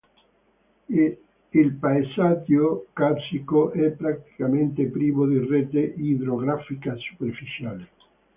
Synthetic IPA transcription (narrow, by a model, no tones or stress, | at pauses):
ilpaesat̪jokasikoʔɛpːɾakt̪i̥kament̪epɾiːmod̪ireːt̪eid̪ɾoɡɾafikasu̥perfit͡ʃaːle